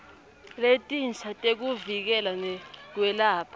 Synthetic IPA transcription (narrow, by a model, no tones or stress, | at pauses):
letʼint͡sʰatʼek̬uvik̬ɛlanɛk̬wɛlaːpʰḁ